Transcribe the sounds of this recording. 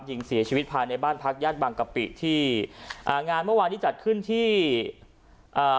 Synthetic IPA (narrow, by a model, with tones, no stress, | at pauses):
p̚ji˨˧ŋsi˨˩˦t͡ɕʰiː˧˦t̪̚pʰaː˧jna˧jbaː˥˩npʰa˦˥k̚jaː˥˩t̪̚baː˧ŋka˧pḭ˨˩ʔt̪ʰiː˥˩ʔaː˨˩ŋaː˧nmɯ˥˩ɐaː˧nt̪iː˥˩t͡ɕa˨˩t̪̚kʰɯ˥˩nt̪ʰiː˥˩ | ʔaː˨˩